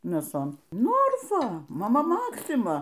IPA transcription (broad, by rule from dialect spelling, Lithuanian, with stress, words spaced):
mʲeːˈsoːn ˈnoːrfɐ mɐˈmɐ ˈmɑːksʲɪmɐ